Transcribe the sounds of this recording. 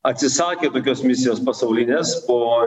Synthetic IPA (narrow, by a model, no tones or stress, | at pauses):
ɐt̪ʲsʲɪsɑːkʲeːt̪oːkʲoːsmʲɪsʲɪjoːspɐsɐʊlʲɪnʲeːspoː